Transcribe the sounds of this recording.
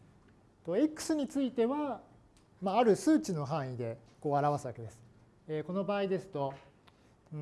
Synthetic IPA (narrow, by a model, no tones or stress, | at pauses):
t̪o̞ekːɯ̟̥sɨɲ̟it͡sɨit̪e̞βa | maːɾɯ̟sɨːt͡ɕino̞ɦãɰ̃id̪e̞ko̞ːaɾaβasɨβake̞d̪e̞sɨ̥ | eko̞no̞baːid̪e̞sɨ̥t̪o̞